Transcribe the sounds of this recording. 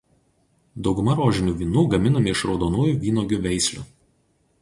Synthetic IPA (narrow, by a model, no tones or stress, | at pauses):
d̪ɒʊɡʊmɐɾoːʒʲɪnʲuːʋʲiːnuːɡɐmʲɪnɔmʲɪɪʃɾɒʊd̪oːnuːjuˑʋʲiːnoːɡʲʊʋʲɛɪsʲlʲʊ̰